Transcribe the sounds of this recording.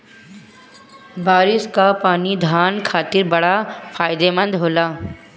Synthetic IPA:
baːɾɪskapaːnid̪ʱaːnkʰaːt̪ɪɾbɐɽafʰaːɪd̪emə̃nd̪ɦoːlaː

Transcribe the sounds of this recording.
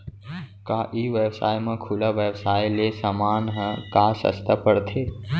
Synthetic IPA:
kaːʔiːʋjewsa̰ːjmãkʰulaʋewsaːilesamaːnɦə̃kaːsə̰st̪əpəɽt̪ʰeː

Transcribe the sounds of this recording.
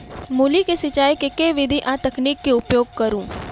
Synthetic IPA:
mulikesɪt͡ʃaːikekeʋɪd̪ʱiʔat̪ɐkniːkːeʊpjoːɡ̚kɐɾũː

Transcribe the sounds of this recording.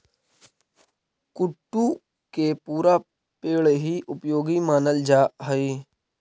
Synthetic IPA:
kʊʈːu | kepuːɾa | peːɭɦiʔʊpjoːɡimaːnəld͡ʒaːɦəi

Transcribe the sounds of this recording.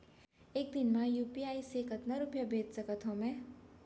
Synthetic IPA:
eːk̚d̪inmajuːpiaːisekət̪nɐɾupjəbʱeːd̪səkət̪ɦõmɛ̃

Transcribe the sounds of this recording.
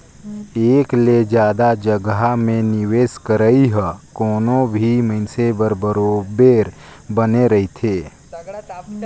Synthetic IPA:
eːkled͡ʒjaːd̪ad͡ʒəɡamẽnɪweːskəɾəiɦəkoːnõbʱiməɪnsebəɾbəɾoːbeːɾbəneɾɐɦit̪ʰeː

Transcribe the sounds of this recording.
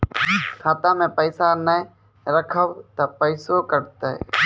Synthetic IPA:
kʰaːt̪aːmẽːpəɪsaːnə | ɾəkʰəʋt̪əpəɪsoːkəɾt̪e

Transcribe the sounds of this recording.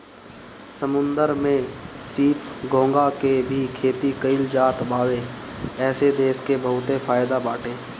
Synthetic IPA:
səmʊ̃nd̪əɾmẽsiːpɡõːŋɡakebʱikʰeːt̪ikəɪld͡ʒaːt̪baːweɛːsed̪eːskebəɦʊt̪efʰaːjd̪abaːʈʰeː

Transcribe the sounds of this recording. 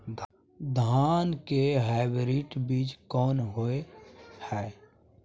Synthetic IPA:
d | d̪ʱaːnkeɦaɪbɾiːʈbiːt͡ʃkɔːnɦoehɛː

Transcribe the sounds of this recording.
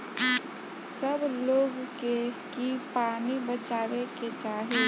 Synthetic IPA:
səbloːɡkekipaːnibət͡ʃaːweket͡ʃaːɦe

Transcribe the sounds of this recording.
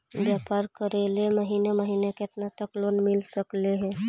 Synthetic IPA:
ʋjaːpaɾkəɾeleməɦiːneməɦiːneket̪nat̪əklonmɪlsəkleɦɛ

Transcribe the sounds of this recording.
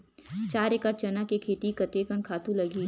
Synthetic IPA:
t͡ʃaːɾekəɾ̚t͡ʃɐnakekʰeːt̪ikɐt̪eːkɐnkʰaːt̪ũlɐɡiː

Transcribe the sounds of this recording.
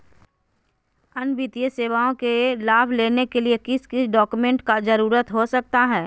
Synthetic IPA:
ɐnbɪt̪ijəseːʋaːõkelaːbʱleːnekeliekɪskɪsɖɔːkumẽːɳʈkad͡ʒəɾuːɾət̪ɦosɐk̚t̪aɦɛː

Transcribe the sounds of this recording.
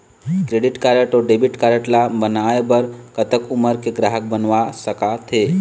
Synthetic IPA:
kɾeɖɪʈkaɾəʈɔɖebiʈkaɾəʈlabənaebəɾkət̪əkʊməɾkeɡɾaɦək̚bənʋasəkat̪ʰe

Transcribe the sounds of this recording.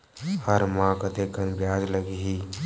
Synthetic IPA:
həɾmãːkət̪ekənbjaːd͡ʒləɡiɦi

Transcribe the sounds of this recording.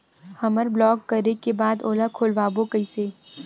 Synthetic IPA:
hɐməɾblɔːkːəɾekebaːd̪oːlakʰoːlʋaːbokəiseː

